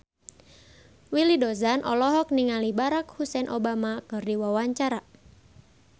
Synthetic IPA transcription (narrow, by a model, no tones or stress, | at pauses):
wilidɔzanʔɔ̰lɔɦɔk̚niŋalibaɾakhusɛnʔobamakɨrdiwawaɲt͡ʃaɾa